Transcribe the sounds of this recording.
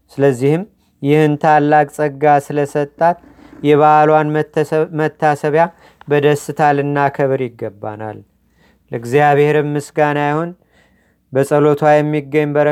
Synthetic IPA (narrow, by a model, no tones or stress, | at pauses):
sɨləzːihɨm | jɪhɨnt̪ʰalːakʼsʼəɡasɨləsət̪ʼːat̪ | jɛβaʔlwanmət̪ʰːasəβja | bəd̪əsːɨt̪ʰalɨnːakʰəβɾjɪɡːəbːa̰na̰lː | əɨɡzijaβhe̞ɾɨmːɨsɡanajhon | bəsʼəlo̞t̪ʰwajɛmːiɡːəɲːbəɾə